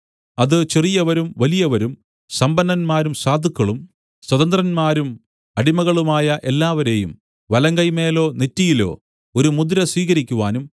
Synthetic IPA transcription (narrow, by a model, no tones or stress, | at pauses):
ɐðɨt͡ɕerijɐʋɐɾumʋɐlijɐʋɐɾum | sɐmbɐnd̪ɐnmaːɾumsaːd̪ʱikːɐɭum | swɐðɐnd̪rɐnmaːɾum | ɐɽimɐɣɐɭumaːjɐʔe̞lːaːʋɐɾe̞ːjṵm | ʋɐlɐŋɡɐjme̞ːlo̞ːnetːijilo̞̰ː | oɾumud̪ɾɐsʋiːɣɐɾikʲːuʋaːnum